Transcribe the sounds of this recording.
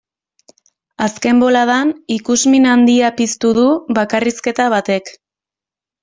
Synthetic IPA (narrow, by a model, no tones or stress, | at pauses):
aske̞mbo̞laðanikuzminand̪iapist̪uðuβakariske̞t̪aβ̞at̪e̞k